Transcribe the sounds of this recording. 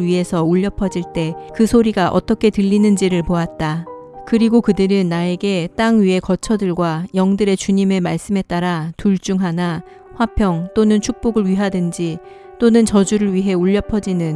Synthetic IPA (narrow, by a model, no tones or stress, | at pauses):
ɥiɦe̞sʰʌuʎːʌpʰʌd͡ʑiɭt͈e̞kɯsʰoɾiɡaʔʌ̰t͈ʌkʰe̞tɯʎːinɯnd͡ʑiɾɯɭpoat̚t͈akɯɾiɡokɯdɯɾɯnːae̞ɡe̞t͈aŋɥiɦe̞kʌt͡ɕʰʌdɯɭɡwajʌŋdɯɾe̞t͡ɕuɲime̞maɭs͈ɯmɦe̞t̚t͈aɾatuɭt͡ɕ͈uŋɦana | ɸwapʰjʌŋt͈onɯnt͡ɕʰuk̚p͈oɡɯɭɥiɦadɯnd͡ʑi | t͈onɯnt͡ɕʌd͡ʑuɾɯɭɥiɦe̞uʎːʌpʰʌd͡ʑinɯn